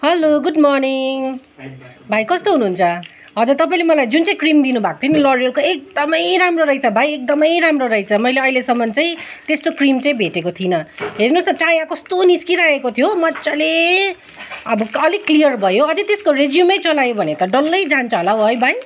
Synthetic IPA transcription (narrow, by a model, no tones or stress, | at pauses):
hʌloɡudmɔɽ̃iŋŋ | bʱajkʌst̪oɦunuɦːnt͡sʰʌ | ɦʌd͡zurt̪ʌpaĩlemʌlajd͡zunt͡saĩkrimd̪inubʱakot̪ʰonilʌɾʌrkoek̚d̪ʌmʌjɾamroɾʌijt͡sʰʌbʱajek̚d̪ʌmʌjɾamroɾʌjt͡sʰʌmʌjleʌilesʌmːʌnt͡saj̃t̪est̪okrimt͡saĩbʱeʈekot̪ʰinʌɦeɾnosʌt͡sajãkʌst̪oniskiɾaekot̪ʰijomʌt͡sale | ʌbʌʌliklijʌrbʱʌjoʌd͡zʌt̪eskored͡zjumʌjt͡sʌlajobʱʌnet̪ʌɖʌlːʌjd͡zant͡sʰʌɦolawɦʌjbʱaj